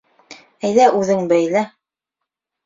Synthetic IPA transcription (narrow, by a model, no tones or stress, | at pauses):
æjðæʉðɘŋbæjlæ